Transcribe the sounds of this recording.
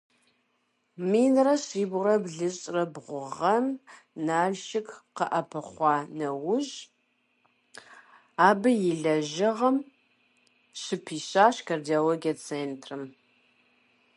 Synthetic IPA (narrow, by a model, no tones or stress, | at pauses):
miːnrɐɕiːbʊrɐbɮɨɕʼrɐbʁʷʊʁɐm | naːɮʃɪkqɐʔɐpʰɐχʷɑːnɐwʊʑ | aːbɨjɪɮɐʒɪʁɐm | ɕɪpʰiːɕaːɕkʰardioloːɡiɐt͡sʰeːntʰrɨm